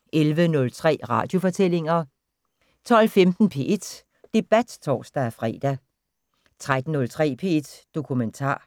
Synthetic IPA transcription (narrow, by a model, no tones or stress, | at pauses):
ʔelʋənɔ̽lt͡sʰʁɛ̰ːʁɑ̈ːd̥jo̝fɒ̽t͡sʰel̰e̝ŋɐ | t͡sʰɒ̽l̰femd̥n̩pʰe̝̰ːʔe̝d̥ | d̥e̝b̥æd̥t͡sʰɒ̰ːsd̥ææfʁɛ̰ːd̥æ | t͡sʰʁad̥n̩nɔ̽lt͡sʰʁɛ̰ːpʰe̝ed̥ːo̝kʰument͡sʰɑ̰̈ː